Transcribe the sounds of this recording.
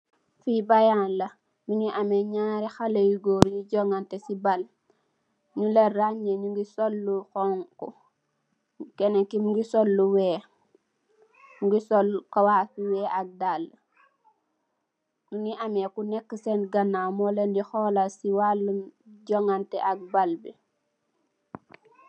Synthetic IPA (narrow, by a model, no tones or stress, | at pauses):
fibajaːnlɐ | nuniʔameɲaːɾɛxalejiɡoːɾɲiɟoŋɡantesibal | ɲuleraɲeɲuŋɡisolːuxɔŋkɔ | kɛnekimɡisolːuwɛː | ŋɡisolkawaːsuwɛːʔak̚dalː | nuniʔamekunekːəsenɡanːamɔlendixɔːlasiwalːəmɟoŋanteʔak̚balbi